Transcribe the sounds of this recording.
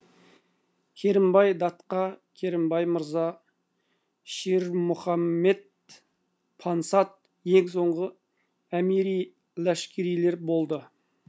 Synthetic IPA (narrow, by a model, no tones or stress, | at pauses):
kʲʰeɾɪmbɑjd̪ɑt̪qɑkʲʰeɾɪmbɑjməɾzɑ | ʃiɾmʊχɑmːe̞d̪̚ | pʰɑnsɑt̪̚ | je̞ŋs̬o̞ɴʁə | æmiɾij | læʃkʲeɾijle̞ɾbo̞lˠd̪ə